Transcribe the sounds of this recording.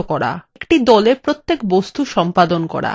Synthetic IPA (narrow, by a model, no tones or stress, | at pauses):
okɔɾa̰kʈid̪ɔlepɾot̪ːekbost̪uʃɔmpad̪onkɔ̰ɾa̰